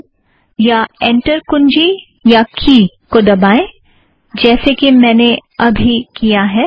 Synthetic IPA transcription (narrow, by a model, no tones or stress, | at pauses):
jaɛ̃ːɳʈəɾkʊnd͡ʒi | jakʰiːkod̪ɐbaːẽ | d͡ʒɛːsekimɛ̃ːneɐbʱikijaɦɛː